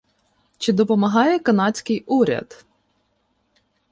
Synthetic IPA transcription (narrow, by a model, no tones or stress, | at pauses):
t͡ʃɪd̪ɔpɔmɐɦɑjɛkɐnɑt͡sʲkɪjuɾʲɐ̰d̪̥